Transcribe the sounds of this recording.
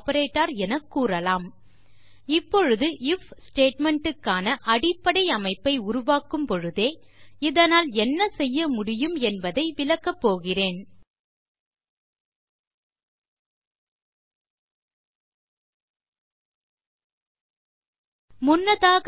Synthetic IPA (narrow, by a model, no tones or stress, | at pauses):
pɐɾeːʈːaːɾɛnɐkːuːrɐlaːm | ɪpːɔɻɯðɯɪfsʈeːʈmɛɳʈɯkːaːnɐʔɐɽɪpːɐɽɐɪɐmɐɪpːɐɪʊɾʊʋaːkɯmpɔɻɯðeːɪðɐnaːlɛnːɐsɛjːɐmʊɽɪjɯmɛnbɐðɐɪʋɪlɐkːɐpːoːɣɪreːn | mʊnːɐðaːɣ